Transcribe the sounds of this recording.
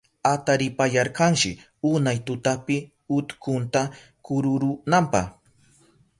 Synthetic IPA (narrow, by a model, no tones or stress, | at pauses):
at̪aɾɪpajɑɾqɑnʃɪ | ʊnajt̪ʊt̪apɪ | ʊt̪kʊnt̪a | kʊɾʊɾʊnampɑχ